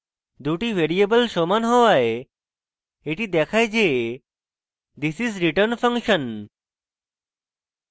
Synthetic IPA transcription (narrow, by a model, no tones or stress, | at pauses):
d̪uʈiʋeɾiebəlʃomanɦoʋae | eʈid̪ɛkʰajd͡ʑe | d̪isizɾiʈəɾnfə̃ŋkʃə̃n